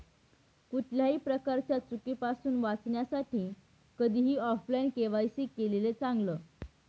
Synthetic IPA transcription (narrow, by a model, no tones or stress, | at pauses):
kuʈʰljaɦiːpɾəkaɾt͡ɕjat͡sukipasuːnʋat͡sɳjasaʈiː | kəd̪ʱiːɦiːɔflajnkeʋajsikelelet͡sãŋɡləː